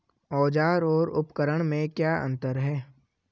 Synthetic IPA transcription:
ɔːd͡ʒaːɾɔːɾʊpkəɾəɽ̃mẽkjaːʔə̰̃nt̪əɾɦɛː

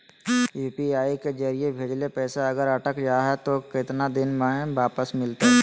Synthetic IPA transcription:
juːpiaːiked͡ʒɐɾijebʱeːd͡ʒlepɛːsaɐɡəɾɐʈəkd͡ʒaːɦɛt̪okɪt̪nad̪ɪnmãːʋaːpəsmɪlt̪aɦɛ

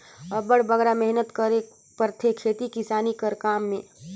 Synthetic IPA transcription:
ɐbəɽ̤bəɡɾamɛɦnət̪kəɾe | pəɾt̪ʰekʰːeːt̪ikɪsaːnikəɾkaːmːẽː

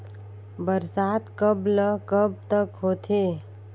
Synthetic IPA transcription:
bəɾsat̪kəbləkəb̚t̪əkɦot̪ʰe

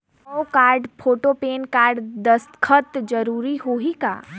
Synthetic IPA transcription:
ɔokaːɾɖpʰoːʈopeːnkaːɾɖd̪əskʰət̪d͡ʒəɾuːɾiɦoːɦika̰ː

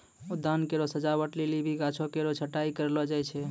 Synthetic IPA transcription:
ud̪ankeɾosəd͡ʒabəʈlelibʱiɡat͡ʃʰokeɾot͡ʃʰəʈaikəɾlɔd͡ʒajt͡ʃʰɛ

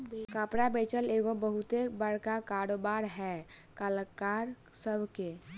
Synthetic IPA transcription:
kapɽabet͡ʃəleːɡobəɦʊt̪ebəɽkakaɾobaːɾɦɛkaləkaɾ | səbʱke

